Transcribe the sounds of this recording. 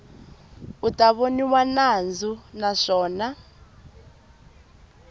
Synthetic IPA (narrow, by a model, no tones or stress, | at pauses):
utaβoniwanand͡zunaʂɔːna